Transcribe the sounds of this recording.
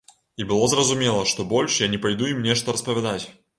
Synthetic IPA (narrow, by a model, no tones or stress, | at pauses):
ibɨlˠozrəzʊmʲelˠəʂt̪obolʲʂjanʲɪpɐjd̪uimnʲeʂt̪oɾəspəvʲɪd̪atʲ